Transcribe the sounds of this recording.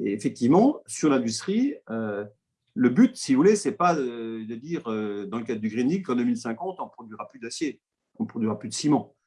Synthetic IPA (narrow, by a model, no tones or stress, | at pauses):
eːfɛk̚t̪ivmɑ̃syʁlɛ̃d̪yst̪χiø | ləbyt̪sivuvulesɛpad̪əd̪iʁød̪ɑ̃ləkad̪ʁd̪yɡʁiniɡkɑ̃d̪ømilsɛ̃kɑ̃t̪ɔ̃pχɔd̪ɥiʁaplyd̪asje | ɔ̃pχɔd̪ɥiʁaplyd̪əsimɑ̃